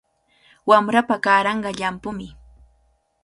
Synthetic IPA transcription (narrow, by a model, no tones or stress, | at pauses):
wamɾapakaːɾɑɴɢɑʎampʊmɪ